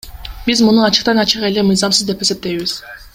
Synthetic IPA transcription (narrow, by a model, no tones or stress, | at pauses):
bizmunuɑt͡ʃʰɯ̥q̚t̪ɑnɑt͡ʃʰɯʁelemɯjzɑmsɯzd̪epese̞p̚t̪ejβiz̥